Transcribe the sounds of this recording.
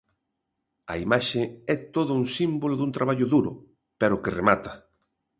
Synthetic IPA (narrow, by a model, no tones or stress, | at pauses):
ɐ̰imaʃeɛt̪oðʊuŋsimboloðũnt̪ɾaβaʎʊðuɾʊ̰ | pɛɾʊkeremat̪ɐ̥